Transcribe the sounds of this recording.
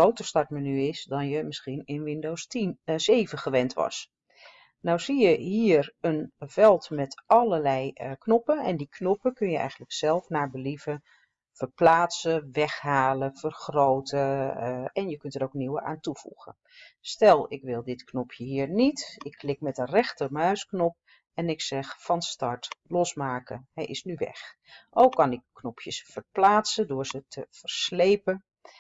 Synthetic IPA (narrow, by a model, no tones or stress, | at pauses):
owtəstɑɹtmənyɪsdɔnjəmɪsxinɪnʋɪndowsseːvəχəʋɛntʋɑ̰s | nawsijəɦiːərənvɛlˠtmɛtɑlərlɛjknɔpənɛ̰ndikʰnopəkønjəʔɛ̰jɣən̩dləksɛlˠfnaːɹbəlivə | fərplaːtsəʋɛxhaːləfərxrowtə | ɛnjəkɵntəɾowkniwəa̰ːntufṵɣə̰n | stɛlˠɪkʋɪlˠdɪtknɔpʰjəɦiːɹnitɪkːlɪkmɛtənrɛxtəmœɥsknɔp̚ | ɛnɪksɛxfɑnstɑɹtlɔsmaːkəɦɛʔɪsnyʋɛ̰x | ʔowkːɑnɪkːnɔpʰjəsfərplaːtsəndʊːɹzətʰəvərslejpən